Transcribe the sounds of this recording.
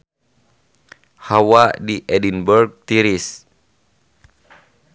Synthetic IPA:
hawadiʔɛdinbɛrɡ̚t̪iɾis

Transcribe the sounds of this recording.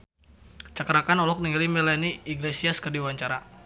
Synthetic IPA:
t͡ʃakɾakanɔlɔk̚niŋalimɛlaniːɡlesiaskərdiwaɲt͡ʃaɾa

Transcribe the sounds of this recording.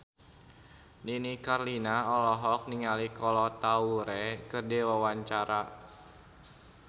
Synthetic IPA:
ninikarlinaɔlɔɦɔk̚niŋalikɔlɔt̪auɾɛkərdɛwawaɲt͡ʃaɾa

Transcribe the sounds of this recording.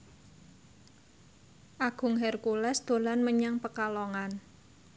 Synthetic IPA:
ʔaɡ̥ʊ̤ŋɦɛrkulɛsd̪̥o̤lanməɲaŋpəkalɔŋan

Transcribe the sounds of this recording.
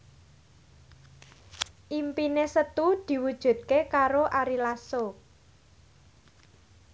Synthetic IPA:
ʔimpinesət̪ud̪̥i̤wud̥ʒ̥ṳt̪̚kekaɾoʔaɾilaso

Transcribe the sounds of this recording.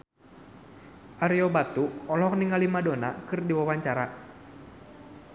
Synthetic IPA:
ʔaɾiɔbat̪uɔlɔkniŋalimadonakɨrdiwawaɲt͡ʃaɾa

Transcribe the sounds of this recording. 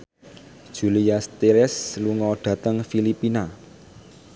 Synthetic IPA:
d̥ʒ̥ṳliast̪eɾɛsluŋɔɖ̪̥ä̤t̪əŋfilipina

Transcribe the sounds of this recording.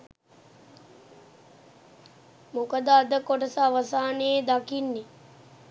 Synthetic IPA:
mukəd̪əad̪əkoʈəsaʋəsaːneed̪akinːe

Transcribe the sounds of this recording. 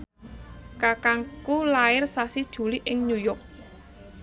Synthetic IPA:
kakaŋkulaɪrsasid̥ʒ̥ṳliʔɪŋɲujɔk̚

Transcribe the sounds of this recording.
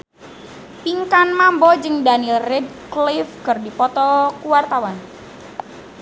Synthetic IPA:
piŋkanmambɔd͡ʒɨŋdanilrɛd̚klifkɨrdipɔt̪ɔkuwart̪awan

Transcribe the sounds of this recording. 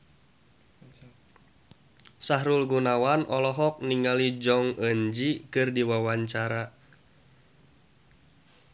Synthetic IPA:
saɦɾulɡunawanʔɔlɔɦɔk̚niŋɡalid͡ʒɔŋəɲd͡ʒikɨrdiwawaɲt͡ʃaɾa

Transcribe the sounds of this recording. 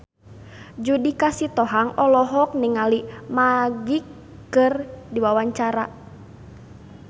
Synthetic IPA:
d͡ʒudikasit̪ɔɦaŋʔɔlɔɦɔk̚niŋalimaɡikː | ɨrdiwawaɲt͡ʃaɾa

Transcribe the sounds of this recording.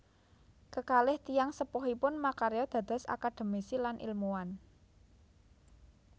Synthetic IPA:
kəkalɪht̪ijaŋsəpɔɦipʊnmakaɾeɔd̪̥a̤d̪̥a̤sa̰kaɖ̪̥ə̤misilanʔḭlmuwan

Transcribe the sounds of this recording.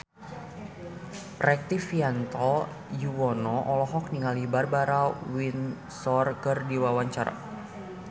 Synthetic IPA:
prɛk̚t̪ifiant̪ɔ | juwɔnɔʔɔlɔɦɔk̚niŋalibarbaɾawin | sɔrkɨrdiwawaɲt͡ʃaɾa̰

